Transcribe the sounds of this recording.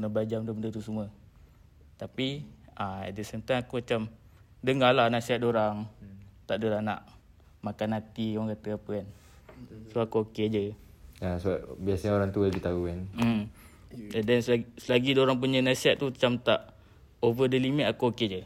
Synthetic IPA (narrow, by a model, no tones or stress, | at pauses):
unabad͡ʒamdəməndət̪usumə | t̪apiaɛ̰ʔ̚dəsɛnt̪ajŋakumat͡ʃam | dəŋalahnasiat̪̚doɾaŋt̪aʔdoɾana̰ʔ | makanat̪ikaaŋkat̪əapəkan | soakuoked͡ʒə | asəbap̚biasaɲaoɾaŋt̪uəbit̪aukan̩ | dɛnssəlaɡidoɾaŋp̬uɲənasiaʔ̪̚t̪ut͡ʃamt̪aʔ | ovədəlimɛt̪akuoked͡ʒə